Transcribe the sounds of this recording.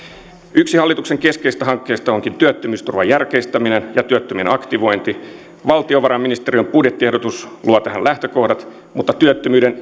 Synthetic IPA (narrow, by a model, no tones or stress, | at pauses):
yksihɑlːit̪ukseŋkeskeist̪æɦɑŋkːeːst̪ɑoŋkint̪yøt̪ːømyːst̪urʋɑjærkest̪æminenjɑt̪yøt̪ːømienɑkt̪iʋo̞jnt̪i | ʋɑlt̪ioʋɑɾɑmːinist̪eriømpudjet̪ːiedot̪usluɑt̪æhænlæht̪øko̞hdɑt̪ | mut̪ːɑt̪yøt̪ːømyːden